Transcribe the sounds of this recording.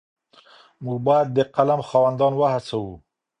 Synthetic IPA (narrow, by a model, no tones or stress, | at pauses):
muɡ̚bɑjad̪̚ːəqalamxɑwand̪ɑnwahasawu